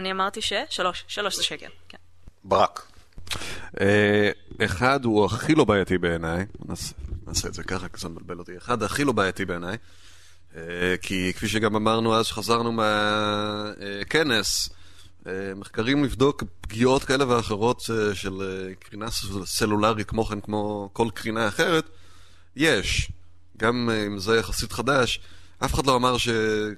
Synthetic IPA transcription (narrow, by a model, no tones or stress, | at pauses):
aniamaʁt̪iʃeʃaloʃʃaloʃseekelken | baʁak | ʔeeχaduaχilo̞baːjatibe̞ːnajnasena̰ːseːdzekaχakzembalbe̞lot̪ieχad̪aχilo̞baːjatibe̞ːnaj | ekʰikfiʃ̬eɡamamaʁnuazʃχazaʁnumea | ke̞ne̞s | emeχkaʁimlivd̪o̞kpɡio̞tkaele̞veaχeʁo̞t̪eʃelkʁinasselulaʁikmo̞χenkmo̞ko̞lkʁinaːχe̞ʁe̞t | jeʃ | ɡamimzejaχasitχadaʃ | ʔafeχad̪lo̞amaʁʃe